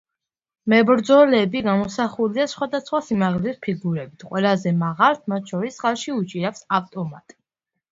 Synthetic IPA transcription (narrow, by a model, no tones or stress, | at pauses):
mɛbɾd̪zɔlɛbiɡamɔsaχuliasχwad̪asχwasimaʁlɛspʰiɡuɾɛbit̪ʰqʼwɛlazɛmaʁalt̪ʰmat̪̚ʰʃʰɔɾisχalˠʃiut͡ʃʼiɾafsaft̪ʼɔmat̪ʼ